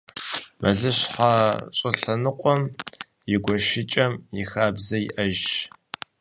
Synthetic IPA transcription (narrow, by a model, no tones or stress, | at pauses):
mɐɮɨɕħaɕʼɪɬɐnɨqʷʼɔm | jɪɡʷɔʃɪt͡ʃʼɐmjɪxaːbzɐjɪ̰ʔɐʒ